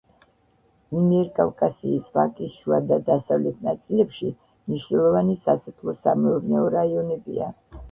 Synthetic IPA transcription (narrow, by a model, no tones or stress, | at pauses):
imiɛɾkʼavkʼasiːsva̰kʼiʃuad̪ad̪asavlɛt̪̚ʰnat̪sʼilɛpʃi | mniʃnɛlˠɔvanisast̪ʰlˠɔsamɛɔvnɛɔɾaiɔnɛbḭa̰